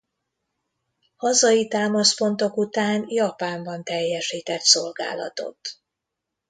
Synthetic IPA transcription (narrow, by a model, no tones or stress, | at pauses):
hɒzɒjit̪aːmɒspo̞nt̪o̞kut̪aːnjɒpaːmbɒnt̪ɛjːɛʃiːt̪ɛt̪so̞lɡa̰ːlɒ̰t̪o̞̰t̪